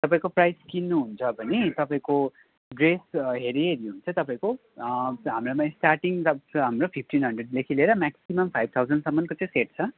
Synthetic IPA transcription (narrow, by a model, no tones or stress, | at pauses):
t̪ʌpaĩkoprajskinːuɦunt͡sʰʌbʱʌnit̪ʌpãĩko | ɡresɦeɾiɦeɾiɦunt͡sʰʌt̪ʌpaĩko | ɦamɾomaĩsʈaʈiŋʌɦamropʰipʰʈinɦʌnɖreɖlekʰileɾʌmaksimʌmpʰajb̚t̪ʰawd͡zʌnɖsʌmːʌnkot͡sãĩseʈ̚t͡sʰʌ